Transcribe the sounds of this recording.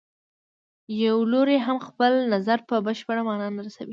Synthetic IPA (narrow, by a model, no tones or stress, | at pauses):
jawloɾeɦamxpəlnazaɾpəbəʃpəɽamɑnɑnaɾasa̰wi